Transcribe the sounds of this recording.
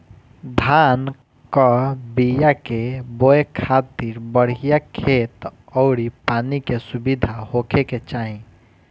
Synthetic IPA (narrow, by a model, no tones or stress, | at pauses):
d̪ʱaːn | kɔbijakebojekʰaːt̪iɾbəɽ̤ijakʰeːt̪ɔʊɽipaːnikesubid̪ʱahokʰeket͡ʃaːĩ